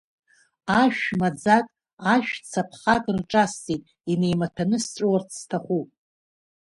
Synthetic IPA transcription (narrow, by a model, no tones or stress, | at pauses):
aʃᶣmad͡zakʼ | aʃᶣt͡sʰapʰχakʼrʈ͡ʂʼastʼitʼ | ine̞jmatʰanɨst͡ʃʷʼowart͡sʰstʰaχʷupʼ